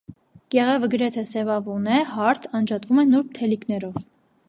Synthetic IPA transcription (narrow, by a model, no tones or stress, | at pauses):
ɡ̥ɛʁɛvəɡəɾɛt̪ʰɛsɛvɑvunɛhɑɾt̪ʰɑnd͡ʒɑt̪vumɛnuɾp̚t̪ʰɛliknɛɾɔv